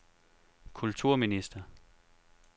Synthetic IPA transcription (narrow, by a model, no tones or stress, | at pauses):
kʰult͡sʰuɐ̰minisd̥ɐ